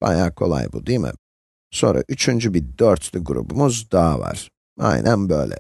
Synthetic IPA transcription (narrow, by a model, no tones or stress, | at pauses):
b̥ɑjaːkʰo̞lˠɑjbud̪imḭ | so̞nɾaʔyt͡ʃʰynd͡ʒybiɾd̪øɾt̪ʰlyɡɾṵbumuzd̪aːvɑ̰ɾ̥ | a̰jnʔanbølɛ